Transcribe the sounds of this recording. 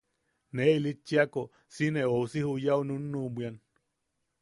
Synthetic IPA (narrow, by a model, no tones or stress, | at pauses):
neilit͡ʃːiako | sineousihujaununːubʷian